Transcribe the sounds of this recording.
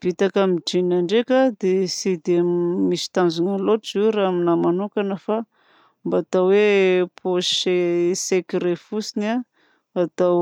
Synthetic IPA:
v̥it̪akamid͡ʒinaɳɖ͡ʐekad̪esid̪emisi̥t̪anzunaloʈ͡ʂziɾaminamanukanəfa | mbaat̪awwepʰoesekiɾefusinaː | t̪a

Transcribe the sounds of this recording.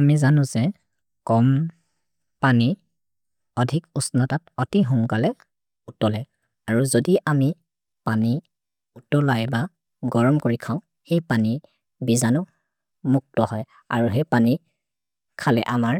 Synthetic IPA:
amizanʊ̃zɛ | kɔm | pani | ɔdʱikusnɔtatɔtiɦɔŋkalɛ | utɔlɛ | aɹuzodiʔami | pani | utɔlajba | ɡɔɹɔmkoɹikʰaʊ̃ | xejpani | bizanʊ | muk̚tɔhɔj | a̰ɹuɦepani | kʰalɛʔamaɹ

